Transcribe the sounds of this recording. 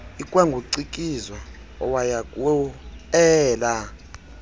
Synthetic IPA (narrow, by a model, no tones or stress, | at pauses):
ikʼwɛŋɡʱuǀikʼizwa | ɔ̰wajakʼwɛla